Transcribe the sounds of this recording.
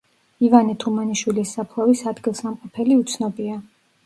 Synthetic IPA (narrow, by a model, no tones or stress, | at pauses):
ivanit̪ʰumaniʃwilisːapʰlˠɛvisad̪ɡilˠsamqʼɔpʰɛliut̪sʰnɔbia